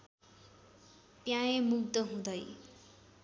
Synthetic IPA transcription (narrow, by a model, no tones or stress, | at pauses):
pjajemuɡ̚d̪ʌɦũd̪ʌj